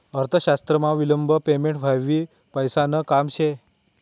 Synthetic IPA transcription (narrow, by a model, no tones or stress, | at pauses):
əɾt̪ʰəʃast̪ɾəmãʋiləmbʱəpemẽɳʈʋʱaʋːi | pəjsanəkamt͡ʃʰe